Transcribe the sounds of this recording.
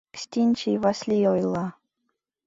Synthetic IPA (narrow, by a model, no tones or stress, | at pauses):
ksʲt̪ʲinʲt͡ɕivasʲlʲijojlˠɑ